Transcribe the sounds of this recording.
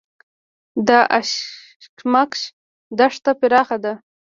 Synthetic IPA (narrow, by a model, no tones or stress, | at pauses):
d̪aʔaʃ | kmakʃ | d̪aʂt̪apɪɾɑxad̪a